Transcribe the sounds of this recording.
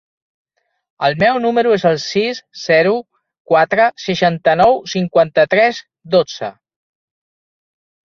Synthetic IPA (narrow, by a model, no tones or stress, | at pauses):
əlˠmɛwnuməɾuezəlˠsisz̥ɛɾu | kwat̪ɾəsəʃant̪ənɔwsiŋkwant̪ət̪ɾɛz | d̪od͡z̥ə̰